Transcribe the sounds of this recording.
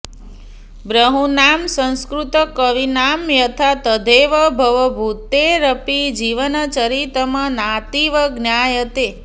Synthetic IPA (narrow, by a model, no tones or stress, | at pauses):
bɾəɦunamsə̃ñskɾut̪əkəʋinamjət̪ʰat̪əd̪ʱeʋəbʱəʋəbʱut̪eɾəpid͡ʒiʋənət͡ʃəɾit̪əmanat̪iʋəɡnjajət̪e